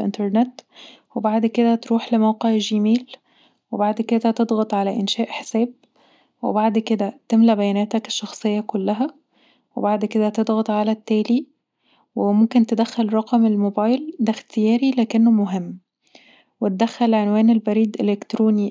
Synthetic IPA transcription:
ʔḛnt̪eɾˤnet̪ | webaʕd̪ked̪æt̪ɾuːħlemæwqeʕʒimiːl | webaʕd̪ked̪æt̪ed̪ˤɣɑt̪ˤʕalæʔenʃæːʔħe̥sæːb̚ | wḛbaʕd̪ked̪æt̪emlæbæjænæːt̪æke̥ʃːɑxsˤejːɑkolːæɦæ | webaʕd̪ked̪æt̪ed̪ˤɣɑt̪ˤʕalæt̪ːæːli | wemomkent̪ed̪æxːælɾˤɑqɑmelmobɑːjld̪æxt̪ejæːɾilæːkenːomoɦemː | wet̪̚d̪æxːælʕenwæːnelbæɾiːd̪ʔelekt̪ɾoːni

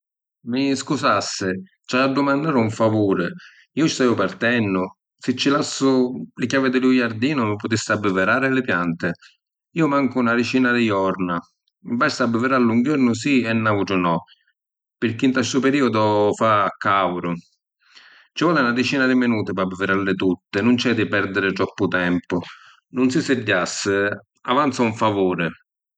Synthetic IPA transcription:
mɪskusasːɪ | t͡ʃaːɖːʊmand̪aːɾuɱfavuːɾɪ | iːʊst̪aijʊpaɾt̪ɛnːʊ | sɪt͡ʃːɪlasːʊlɪkʲavɪd̪ɪlujaɾd̪iːnʊmɪpʊt̪ɪsːɪabːɪvɪɾaːɾɪlɪpjant̪ɪ | iːʊmaŋkʊunaɾɪt͡ʃiːnad̪ɪjɔɾna | mbast̪abːɪvɪɾalːuŋɡɔɾnʊs̬iɛnːauʈɾʊnɔ | pɪɾk̟ːint̪alsupeɾiːod̪ʊfaːkːawɾʊ | t͡ʃɪvɔlɪunadɪt͡ʃiːnad̪ɪmɪnuːt̪ɪpabːɪveɾalːɪt̪ut̪ːɪnʊnt͡ʃɛd̪ɪpɛɾd̪ɪɾɪt̪ɾɔpːʊt̪ɛmpʊ | nʊnsɪsɪɟːasːɪ | avant̪sauɱfavoːɾɪ

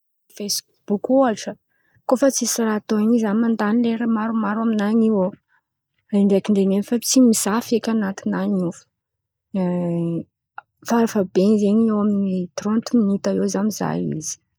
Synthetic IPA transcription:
fejs | b̥ukʲualʈ͡ʂə | kofət͡sisirat̪oaɲizamand̪anileɾemaɾumaɾaminaɲiwo | eɳɖ͡ʐeakiɳɖ͡ʐenenfət͡simizafekʲanat̪inaɲufə̥ | faɾafabenzeɲewaminit̪ront̪iminit̪aewzamiza̰jḭzi̥

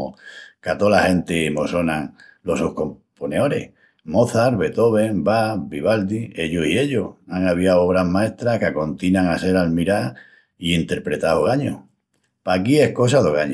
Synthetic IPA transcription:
o̰kat̪olahe̞nt̪emoso̞naŋ | lo̞sohko̞mponeo̞ɾḛh | mo̞θaɾβe̞t̪o̞β̞e̞ŋbabiβald̪ie̞ʎosie̞ʎohaŋaβiawo̞βɾaɦmae̞st̪ɾahkako̞nt̪inaŋase̞ɾalmiɾa | iint̪e̞ɾpɾe̞t̪ahoɣaɲo̰ | pakie̞hko̞s̬aðoɣaɲ

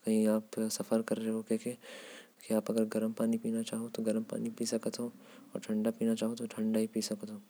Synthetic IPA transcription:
kɐɦĩaːpsɐfəɾkɐɾːeeɦokeːkekiaːpɐɡəɾɡɐɾəmpaːnipiːnat͡ʃaːɦot̪oɡɐɾəmpa̰ːnipiːsɐkət̪ɦo | ɔːɾʈʰɐ̃ɳɖapiːnat͡ʃaːɦot̪oʈʰɐ̃ɳɖaɦipiːsɐkt̪ɦoː

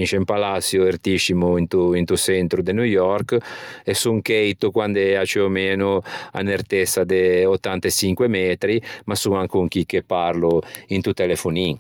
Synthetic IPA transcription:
inʃempalat̪sjoert̪iʃimuint̪uint̪usɛnt̪ɾud̪enujɔrkesuŋkejt̪ukwand̪eat͡ʃeomeːnoa̰nert̪esad̪eot̪ːant̪et͡ʃiŋkwemɛːt̪ɾimasːuŋaŋkuŋk̟ik̟ːepːarluint̪ut̪elefuniŋ

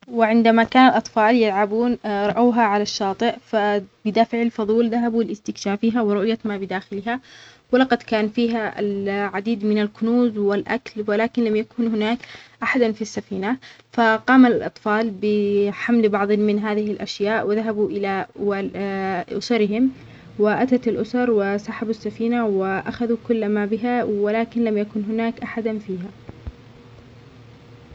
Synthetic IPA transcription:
wɪʕɪnd̪amakaːnalʔɑt̪ˤfɑːljalʕabuːnɾˤɑʔaːɦaʕalaʃːɑːt̪ˤɨʔfabɪd̪aːfɪʕalfɑðˤuːlðaɦabuɪlɪst̪ɪkʃaːfiːɦawɪɾˤʊʔjamabɪd̪aːxɪlɦawɪlɑqɑd̪kaːnfiːɦaa̰lʕad̪iːd̪mɪnalkʊnuːzwɪlʔa̰klwɪlaːkɪnlamjakuːnhɪnaːkʔaħad̪anfisːafiːna | faqɑːmallʔɑ̰t̪ˤfɑːlbɪħamlbɑʕðˤmɪnɦaːðɪhɪlʔaʃjaːʔwɪðaɦabuʔɪlawaʔʊ̰sɑɾɪɦɪm | wɪʔat̪at̪ɪlʔʊsɑɾˤwɪsaːħabsːafiːnawɪʔaxaðukʊlːmabɪɦawɪlaːkɪnlamjakʊnɦʊnaːkʔaħad̪anfiːɦa

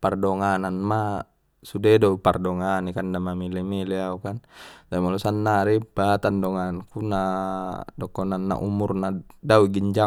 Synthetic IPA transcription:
pardɔŋananma | sudɛdɔpardɔŋanikandamamilemileaukant̪apimalɔsanːaɾibat̪andɔŋaankuna | dɔkɔnanːa̰ʔumurnadauɡiɲd͡ʒa

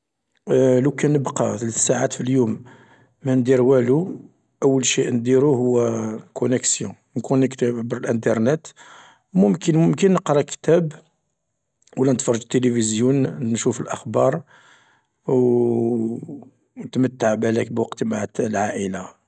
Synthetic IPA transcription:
lukænəbqɑt̪lsːaʕat̪filjumː | ænd̪iɾwælu | ʔəwːəlʃiʔnd̪iɾuhʊwːækʰʊnəksjɔ̃ | nkunːəkt̪æbʕbəɾəlʔənt̪̬əɾˤnæt̪ | mʊmkənmʊmkənːəqɾˤɑkt̪æb | wlænət̪fɑɾˤːɑʒt̪ːelifizjunnʃufəlʔəxbɑɾˤ | w | nət̪mət̪ːaʕbʕlækbwɑqt̪maʕt̪lʕaʔəla

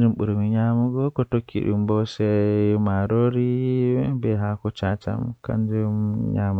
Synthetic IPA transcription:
d͡ʒumɓuɾmiɲamuɡɔkɔtokʰːḭɗṵmbɔsɛmaɾoɾi | bɛɦakɔt͡ʃat͡ʃa̰mka̰nd͡ʒumɲamu

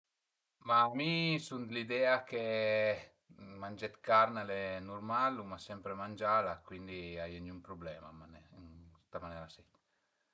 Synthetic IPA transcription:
mamisunt̪lid̪ɛake | manʲd͡ʒɛt̪kaɾnalenuɾmalumasɛmpɾemand͡ʒalakwind̪iajanumpɾublɛma̰manɛst̪amanɛːɾasɛ

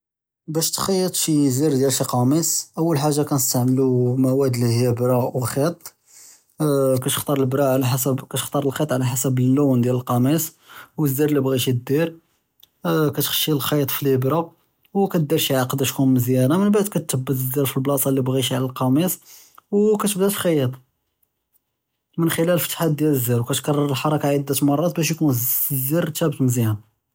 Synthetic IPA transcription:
bæʃt̪xɑjːət̪ˤʃiziɾd̪jælʃiqɑmisʔəwːəlħaʒːakænəst̪aʕməlumæwæd̪lihjibɾˤɑwxit̪ˤ | kæt̪əxt̪ɑɾˤlbɾˤɑʕlħasəbkæt̪əxt̪ˤɑɾˤəlxit̪ˤʕlæħasəbəlːund̪jæləlqɑmis | wəzːiɾlibɣiʃid̪iɾ | kæt̪xə̥ʃːilxɑjət̪ˤfilibɾɑb | wkæt̪̚d̪iɾʃiʕaqd̪æʃkunməzjænamənbaʕd̪̚kæt̪ːəbːət̪əzːiɾfilblɑsˤɑlːibɣiʃiʕlælqɑmis | wkæt̪bd̪æt̪lxɑjət̪ˤ | mənxəlælfət̪ħad̪jæləzːiɾwkæt̪kɑrˤːɑɾˤəlħɑɾˤɑkaʕid̪ːæt̪mɑrˤːɑt̪bæʃjkunzːiɾt̪ːæbət̪məzjæn

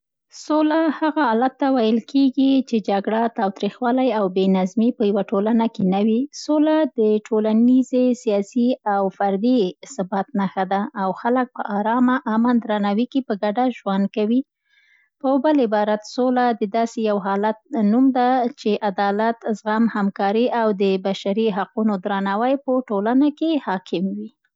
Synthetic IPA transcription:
solahaɣaɑlat̪ːawajəlkʰeɡit͡ʃed͡ʒaɡɽat̪ɑwt̪ɾixwɑlajawbenazmipəjawaʈolanakenawisolad̪əʈʰolanizesijɑsiawfaɾd̪isabat̪naxad̪aːwxalək̚pə̰ʔɑɾɑmaʔamand̪ɾanɑwikipəɡaɖaʒwand̪̚kawi | pəbalɪbɑɾat̪solad̪əd̪ɑsejawɦɑlat̪̚numd̪at͡ʃeʔad̪ɑlat̪zɣamhamkɑɾiʔawd̪əbaʃaɾiɦaqunod̪ɾanɑwajpəʈolanakehɑkʰɪmwi

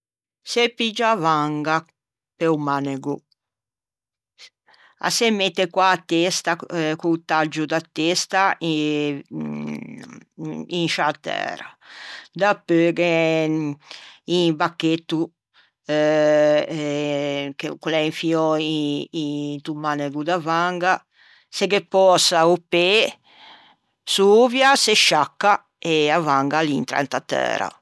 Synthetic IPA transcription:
sepid͡ʒavaŋɡa | peumaneɡu | a̰semːet̪ːekwaːt̪ːest̪akut̪ad͡ʒud̪at̪ːest̪a | inʃat̪ɛ̰ːɾa̰d̪apːøɡe | inbakːet̪ːu | kekulɛiɱfiɔiint̪umːanɛɡud̪avaŋɡa | seɡepːɔːsaupe | suːvjaseʃːakːa | eavaŋɡalint̪ɾɛ̰nt̪at̪ɛ̰ːɾa̰

